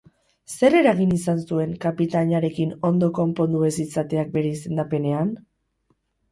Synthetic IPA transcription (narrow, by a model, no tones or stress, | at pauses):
se̞ɾe̞ɾaɣ̞inisansue̞ŋkapit̪aɲaɾe̞kino̞nd̪o̞ko̞mpo̞nd̪ue̞sit͡sat̪e̞ak̚be̞ɾe̞ise̞nd̪ape̞ne̞an